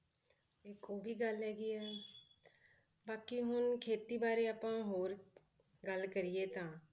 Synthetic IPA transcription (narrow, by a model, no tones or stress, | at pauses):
eːkoːbʱiɡəlɦɛːɡiɛː | baːkiɦʊnkʰeːt̪ibaːɾeəpãɦoːɾ | ɡəlkəɾiet̪ʰãː